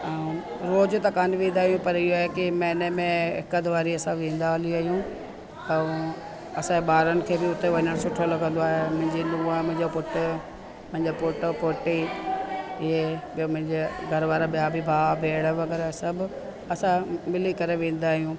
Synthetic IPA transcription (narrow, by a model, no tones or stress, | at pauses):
ɾoːd͡ʑʊt̪ɐkaːnɪʋẽːnd̪aːɦijũpɐɾɪɦoaːɦekɪmɛ̃ːnəmẽɪ̰kəd̪ʱʋaːɾiɐsãʋẽːn̆d̪aliaːɦijũ | t̪ɐ̃ | ɐsãebɓaːɾənɪ̆kʰeːbɪʊt̪eʋɐ̃nəɽsʊʈʰolɐɡʱə̃nd̪oaːɦemʊ̃ɦɪ̃ɲd͡ʑenũːamʊ̃ɦɪ̃ɲd͡ʑopʊʈɪ | mʊ̃ɦɪ̃ɲd͡ʑopʊʈpʊʈi | ɪɦebijomʊ̃ɦɪ̃ɲd͡ʑeɡʱɐɾʋaːɾaɓijabʱɪbʱaːbʱeːɽəʋɐɡɛɾsɐbʊ | ɐsãmɪlikɐɾeʋẽːn̆d̪aːɦijũː